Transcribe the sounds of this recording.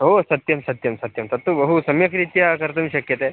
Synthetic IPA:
ɦosɐt̪jɐmsɐt̪jɐmsɐt̪jɐmt̪ɐt̪ːubəɦusɐmjɐkɾit̪jakɐɾt̪ɐmiɕɐkjɐt̪e

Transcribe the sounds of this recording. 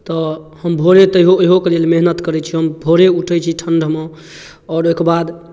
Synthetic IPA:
t̪ɔhəmbʱoɾet̪əɦoəɦokelelmeɦnət̪kəɾɛt͡ʃʰiɦəmbʱoɾeuʈʰɛt͡ʃʰiʈʰəɳɖʱəme | ɔːɾokbad̪

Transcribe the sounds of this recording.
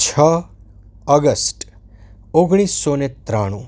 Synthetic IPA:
t͡ʃʰə | əɡəsʈ | oɡɽ̃isːonet̪ɾaɽ̃ũ

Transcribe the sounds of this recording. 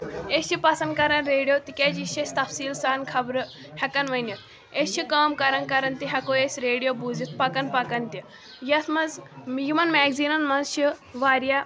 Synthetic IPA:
esʰipɐsɐnd̪kɐɾɐnɾeːɽijot̪ikʲed͡ʒiʃɐst̪ɐfsiːlsaːnkʰɐbɾɨ | hɐkɐnʋɐnjɐt̪ | esʃikaːmkɐɾɐnkɐɾɐnt̪iɦʲɐkojesʲɾeːɽijobud͡zit̪̚pɐkɐnpɐkɐnt̪i | jɐt̪ʰmɐzmjimɐnmɛːɡziːnɐnmɐzʃiʋaːɾja

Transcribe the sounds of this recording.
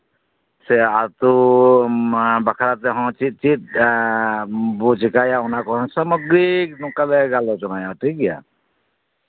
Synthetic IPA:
seat̪u | bəkʰaɾat̪eɦɔ̃t͡ʃit͡ʃit̪̚ | bud͡ʒikajaunakɔɦɔ̃səmɔɡɾiknũkaleɡalot͡ʃunajaʈʰikja̰

